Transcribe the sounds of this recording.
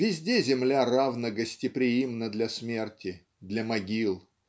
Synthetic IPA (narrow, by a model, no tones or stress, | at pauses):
vʲɪzʲdʲezʲɪmlʲaravnəɡəsʲtʲɪpɾʲɪjimnəd̪lʲɐsmʲertʲɪ | d̪lʲɐmɐɡʲilˠ